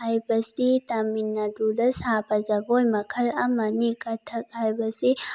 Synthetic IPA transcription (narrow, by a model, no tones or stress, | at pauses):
ɐjbɐsit̪ɐmːɪnːad̪uːd̪ɐshaːpɐd͡ʒɐɡojmɐkʰɐlɐmːɐnikʼɐt̪ʰːɐkʼɐjbɐsi